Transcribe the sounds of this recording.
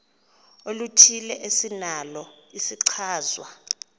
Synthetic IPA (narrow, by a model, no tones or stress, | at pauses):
olutʰilɛʔesinalɔisiǀʰaːzwa